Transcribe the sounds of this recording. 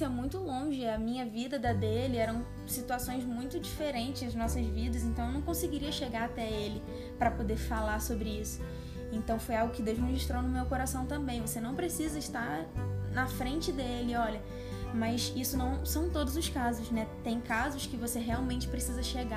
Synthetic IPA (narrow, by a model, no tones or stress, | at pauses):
ɛmũj̃t̪ʊlõʒɪɐmĩɲɐvid̪ɐd̪ɐd̪elɪɛɾɐ̃w̃ | sit̪uasõj̃zmũj̃t̪ʊd͡ʒifeɾẽnt͡ʃɪzɐznɔsɐzvid̪ɐzẽnt̪ɐ̃w̃ewnɐ̃w̃kõsɪɡiɾiɐʃeɡaɾat̪ɛelɪ | pɾɐpod̪eɾfalaɾsobɾɪisʊ̥ | ẽnt̪ɐ̃w̃fojawɡʊkɪd̪ewʒzmʒiʃt̪ɾownʊmewkoɾasɐ̃w̃t̪ɐ̃mbẽj̃vosenɐ̃w̃pɾesizɐɪʃt̪aɾnɐfɾẽnt͡ʃɪd̪eelɪɔlɐ | mɐsisʊnɐ̃w̃sɐ̃w̃t̪od̪ʊzʊskazʊʃnɛt̪ẽj̃kazʊskɪvoseɦeawmẽnt͡ʃɪ̥pɾesizɐʃeɡa